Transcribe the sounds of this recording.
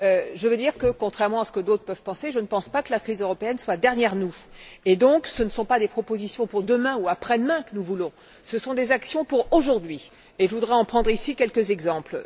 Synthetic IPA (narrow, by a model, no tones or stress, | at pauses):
øʒəvəd̪iʁkəkɔ̃t̪χɛʁmɑ̃asə̥kəd̪ot̪χəpœv̥pɑ̃seʒənəpɑ̃spakəlakχizøʁɔpeɛnswad̪ɛʁnjɛʁnued̪ɔ̃ksənsɔ̃pad̪epχɔpozisjɔ̃puʁd̪əmɛ̃uapχɛd̪mɛ̃kənuvulɔ̃ | səsɔ̃d̪ezaksjɔ̃puʁoʒuʁd̪ɥi | eʒəvud̪ʁɛɑ̃pχɑ̃d̪ʁisikʲɛlkəzɛɡzɑ̃pl